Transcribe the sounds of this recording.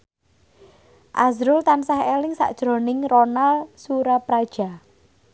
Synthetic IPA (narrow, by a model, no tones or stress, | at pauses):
ʔazɾʊlt̪ansahelɪŋsa̰ʔd̥ʒ̥ɾo̤nɪŋronalsuɾapɾad̥ʒ̥a̤